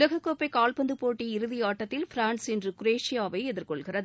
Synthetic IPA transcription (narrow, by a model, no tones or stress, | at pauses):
lɐɣɐkːoːpːɐɪkaːlpɐnd̪ɯpoːʈːiɪɾɯðijaːʈːɐt̪ːɪlfɪɾaːnsɛndrɯkʊɾeːʂɪjaːʋɐɪɛðɪrkɔɭɣɪrɐð